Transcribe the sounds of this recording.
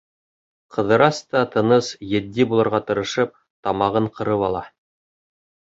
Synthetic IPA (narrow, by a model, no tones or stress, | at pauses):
qʰɤ̆ðɤ̆ɾɑst̪ɑt̪ɤ̆nɤsjɘ̆d̪ːibulˠɤ̆ɾʁɑt̪ɤ̆ɾɤ̆ʃɤp̚ | t̪ɑmɑʁɤɴqɤ̆ɾɤpɑlˠɑ